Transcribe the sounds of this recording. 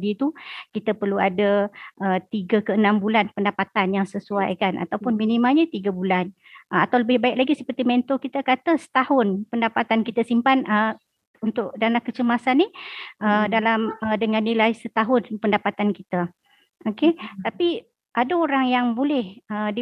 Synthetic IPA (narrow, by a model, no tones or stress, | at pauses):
dit̪ukit̪əpərluadaʔət̪iɡakəənãmbulanpəndapat̪anjaŋsəsuajkanʔa̰t̪awpʊnminimalɲət̪iɡabulan | əat̪awləbɪhbaɪklaɡisəpərt̪imɛnt̪okit̪əkat̪əsə̥t̪ahʊnpəndapat̪ankit̪əsimpanə | unt̪ʊʔdalamkət͡ʃəmasanːiədalamədəŋãnːilajsət̪aɦʊnpəndapat̪ankit̪ə | oket̪api | ʔadaoɾaŋjaŋbolɛhədi